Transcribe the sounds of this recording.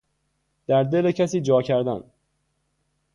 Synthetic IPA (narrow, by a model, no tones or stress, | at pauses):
d̪̥æɾd̪e̞lecʰæsiːd͡ʒɒːcʰæɾd̪æn